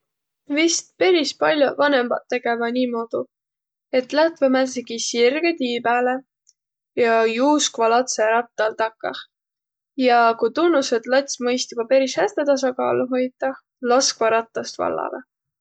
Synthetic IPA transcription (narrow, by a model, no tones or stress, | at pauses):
vist̪̚pe̞ɾispɑlʲjuvɑne̞mɑ̰t̪ːe̞ɡ̥e̞mɑniːmo̞ːd̪̥u | e̞t̪ːˑlæt̪vemæseɡ̥isirɡ̥et̪iːbæːle | jɑjuːskvɑlɑt̪seɾɑp̚t̪ɑlt̪ɑkːɑ̰h | jɑkujt̪unːused̪lɑt̪ʲsmɤjst̪ib̥ɑpeɾishæst̪et̪ɑs̬ɑkɑ̰ːluɦo̞jt̪ːˑɑ | lɑskvɑɾɑt̪ːˑɑst̪vɑ̰lːɑ̰lḛ